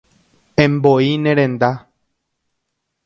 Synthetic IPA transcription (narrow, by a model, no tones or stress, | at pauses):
ẽmboinẽɾẽnd̪a